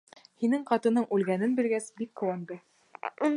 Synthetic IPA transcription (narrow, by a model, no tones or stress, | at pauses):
hinɘŋqɑt̪ɤ̆nɤɴʔʉlɡænɘnbĭɾɡæsbikːŭwɑnd̪ɤ